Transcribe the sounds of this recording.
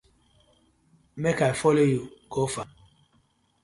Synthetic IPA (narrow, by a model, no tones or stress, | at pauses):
mɛkaifɔlejukɔfa